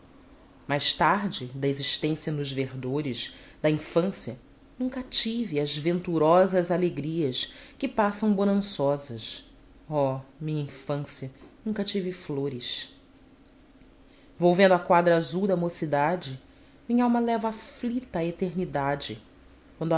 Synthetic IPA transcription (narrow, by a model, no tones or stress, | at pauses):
majʃt̪aɾd͡ʒɪd̪ɐeziʃt̪ẽsiɐnʊʒveɾd̪oɾɪʃd̪ɐĩfɐ̃siɐ | nũkɐt͡ʃiviɐzvẽnt̪uɾɔzɐzaleɡɾiɐskɪpasɐ̃w̃bonɐ̃sɔzɐʃ | ɔmĩɲɐĩfɐ̃siɐnũkɐt͡ʃivɪfloɾɪʃ | vowvẽnd̪ʊakwad̪ɾɐazuwd̪ɐmosid̪ad͡ʒɪ | mĩɲɐawmɐlɛvaflit̪ɐːet̪eɾnid̪ad͡ʒɪ | kwɐ̃nd̪ʊ